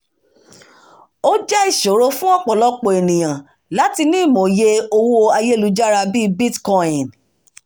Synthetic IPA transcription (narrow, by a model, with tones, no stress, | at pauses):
o˦d͡ʒɛ˦i˨ʃo˨ɾo˦fũ˦ɔ˦k͡pɔ˨lɔ˦k͡po˨e˨nĩ˨j̃ã˨ | la˨˦ti˧nĩ˦˨mo˨je˧o˧wo˧a˧je˦˨lu˨˦d͡ʒa˦ɾa˧bi˦bi˦tkɔ̃˦ĩ˨n